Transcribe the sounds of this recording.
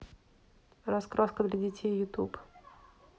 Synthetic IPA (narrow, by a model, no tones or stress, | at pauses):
ɾɐskɾoskəd̪lʲɐdʲɪtʲejːʊt̪ṵp